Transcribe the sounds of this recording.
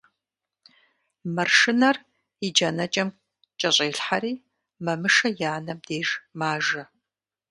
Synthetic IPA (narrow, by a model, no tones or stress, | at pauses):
mɐrʂɪnɐr | id͡ʒɐnɐt͡ʃʼɐm | t͡ʃʼɐɕʼeːɬħaɾiː | mɐmɨʂɐjaːnɐmdeːʒmaːʒɐ